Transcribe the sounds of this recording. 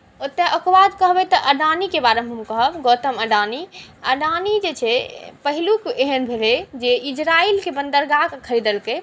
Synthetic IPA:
ot̪ːeʔəkbad̪kəɦbɛt̪əʔəɖanikebaɾemɦəmkəɦəbɡot̪əməɖaniə̰ɖanid͡ʒet͡ʃʰɛpəɦilukeɦənbʱeled͡ʒeid͡ʒɾailkebənd̪əɾɡakkʰəɾid̪əlkə

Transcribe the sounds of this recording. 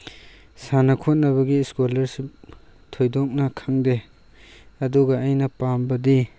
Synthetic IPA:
sanɐkʰot̚nɐβɐɡiskolɐɾsitʰojdɔk̚nɐkʰaŋde | ɐduɡaajnɐpambɐdi

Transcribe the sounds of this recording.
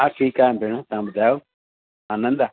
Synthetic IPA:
aʈʰiːkaːjmbʱeɽ̃ãt̪ɐãbʊd̪ʱaːjo | aːnə̃nd̪a

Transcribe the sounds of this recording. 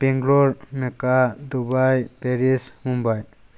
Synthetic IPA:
pɛŋɡlɔɾmɛkad̪ubajpɛɾismumbaj

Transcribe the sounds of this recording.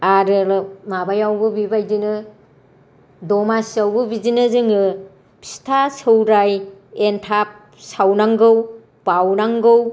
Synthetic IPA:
aɾɯlɯmabajawbɯbibajdinɯ | dɔmasiawbɯbizinɯzɯŋɯ | pʰi̥stʰasɯwɾajentʰap̚ | sawnaŋɡɯw | pawnaŋɡɯw

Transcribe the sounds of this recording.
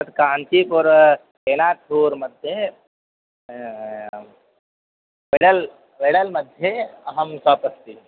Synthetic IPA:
t̪kaːnt͡ʃʰiːpɔɾ | eːnaːt̪oːɾmɐd̪ʱje | ʋeɽəl | ʋeɽəlmɐd̪ʱjeɐɦəmsaːpəst̪i

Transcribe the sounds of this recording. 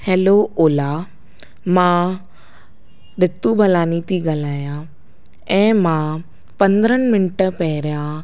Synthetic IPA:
heːlooːla | mã | ɗɪt̪ubʱɐlaːnit̪iɡɐlaːjã | ɛ̃ːmã | pɐ̃nd̪ɾənmɪnʈpɛɦɾjã

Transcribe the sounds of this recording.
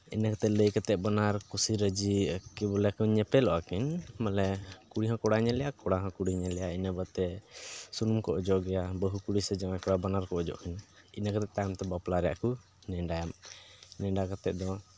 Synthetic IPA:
ḭnakat̪ɛʔləjkat̪ɛʔ̚banaɾkusiɾəd͡ʒikɛbɔlɛkuɲɛpɛlɔʔakinmalɛkuɽiɦãkɔɽaɲɛlɛjakɔɽaɦãkuɽiɲɛlɛjainəbat̪ɛsunumkɔʔɔd͡ʒɔʔɡɛjabəɦukuɽisɛd͡ʒamakɔɽabanaɾkɔʔɔd͡ʒɔ̰ʔkin | inakat̪ɛʔt̪ajamt̪ɛbaplaɾɛja̰ʔku | nɛɖajamnɛɖakat̪ɛʔ̚d̪ɔ

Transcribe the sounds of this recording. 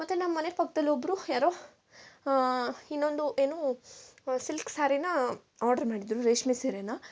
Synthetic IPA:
mɐt̪ːenɐmːɐːɐnepɐkʰːɐd̪ɐlːiobːɾujaːɾoː | inːond̪uʔeːnoː | silksaːɾinɐ | aːɾɖɐɾmaːɽid̪ɾuɾeːʂmeseːɾenɐ

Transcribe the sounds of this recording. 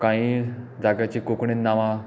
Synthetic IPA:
kãĩd͡zaɡjat͡ɕikokɳinnːaʋã

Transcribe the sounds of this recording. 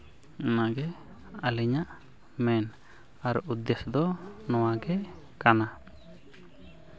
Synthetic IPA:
naɡɛ | aliɲaʔ | mɛn | aɾuud̪esd̪ɔnɔwaɡɛ | kana

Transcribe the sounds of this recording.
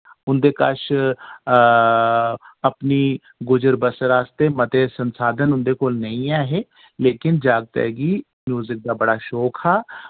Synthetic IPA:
ʊnd̪eːkə̰ʃ | əpniː | ɡʊd͡ʒəɾbəsɾaːst̪emət̪esənsaːd̪ʱənʊnd̪eːkoːlnəĩaːɦeː | leːkɪnd͡ʒaːɡt̪ɛ̰ːɡiː | mjuːzɪk̚d̪aːbəɽaːʃoːkʰhaː

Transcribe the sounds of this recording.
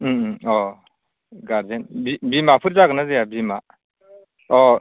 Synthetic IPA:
ɔ | ɡaɾdenbibimapʰɯɾzaɡɯnazejabima | ɔ

